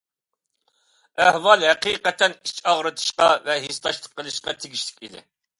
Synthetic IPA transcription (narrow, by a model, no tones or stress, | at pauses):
æhwɑlˠɦɛqiːqɛt̪ʰɛnit͡ʃɑʁɾɨt̪ʰɨ̥ʃqɑvɛɦist̪ɑʃlˠə̥qʰːəlˠɨʃqɑt̪ʰɪɡʲiʃlɪ̥kʲid̪ɪ̰